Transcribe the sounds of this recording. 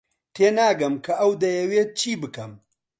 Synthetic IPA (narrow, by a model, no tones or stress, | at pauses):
t̪ʰeːnaːɡɐmkʰɐʔɐwd̪ɐjɐweːt̪̚t͡ʃʰiːbɨkɐm